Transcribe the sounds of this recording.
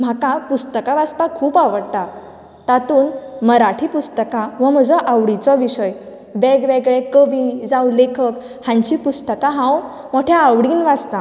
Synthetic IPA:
m̤akapust̪əkaʋaspakʰuːpaʋəɽt̪a | t̪at̪uːnməɾaʈʰiːpust̪əkaʋəm̤əd͡zɔʔaʋɽit͡sɔʋiɕəj | beɡʋeɡɭekəʋid͡zawlekʰək | hãɲt͡ɕipust̪əkaɦãw | moʈʰjaːʋɽiːnʋad͡zt̪a

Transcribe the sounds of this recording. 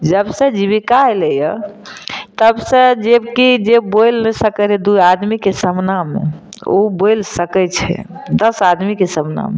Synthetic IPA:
d͡ʒəbsə̃d͡ʒiβikaɛləjə | t̪əbsə̃d͡ʒebkid͡ʒebojlnɛsəkəɛd̪ujad̪mikesəmnamḛo̰bolsəkɛt͡ʃʰɛ̰d̪əsad̪mikesəmna̰me

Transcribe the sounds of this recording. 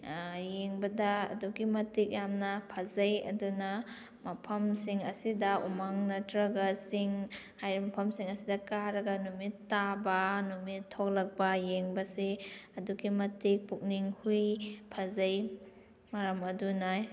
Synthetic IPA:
jeŋbɐdɐ̰ːduɡimɐtik̚jamnɐpʰazɐjɐ̰duna | mɐpʰɐmsiŋɐsidɐumaŋnɐtɾɐɡɐsiŋ | hajɾimɐpʰɐmsiŋɐsidɐkaɾɐɡɐnumitːabɐnumitʰːok̚lɐk̚bɐjeŋbɐseɐduɡimɐtik̚puk̚niŋhujpʰazɐj | mɐɾɐmɐdunaj

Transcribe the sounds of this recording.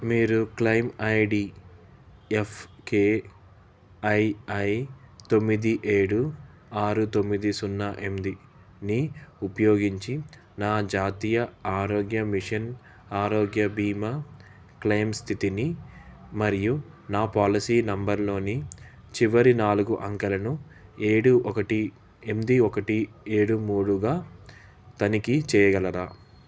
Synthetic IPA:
miːɾuklɐjmɐjɖi | efʰkeː | ɐjɐjt̪o̞mːid̪iʔe̞ːɽu | aːɾut̪o̞mːid̪isunːaʔemd̪i | niupɐjo̞ːɡiɲt͡ʃi | naːd͡ʒaːt̪iːjɐaːɾoːɡjɐmiʂɐn | aːɾoːɡjɐbiːmɐ | klɐjmst̪ʰit̪ini | mɐɾiju | naːpaːlisiːnɐmbɐɾlo̞ːni | t͡ʃiʋɐɾinaːluɡuʔɐŋkɐlɐnu | eːɽuʔɔkɐʈi | e̞md̪iɔkɐʈieːɽumuːɽuɡaː | t̪ɐnikit͡ʃɛːjɐɡɐlɐɾaː

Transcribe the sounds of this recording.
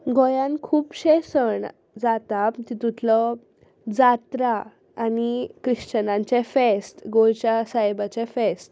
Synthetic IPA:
ɡojãnkʰuːpɕesəɳ | d͡zat̪at̪it̪ut̪ʰlɔ | d͡zat̪ɾaː | nikɾiɕt͡ɕənãɲt͡ɕefesʈɡojt͡ɕjasaɦjbat͡ɕefesʈ

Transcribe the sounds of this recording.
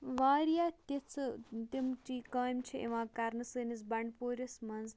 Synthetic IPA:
ʋaːɾijaːt̪et͡sʰt̪imʈikaːmt͡ʃʰiḛʋãːkaɾnɨsɨːnisbɐɳɖpoːɾʲɐsmɐnz

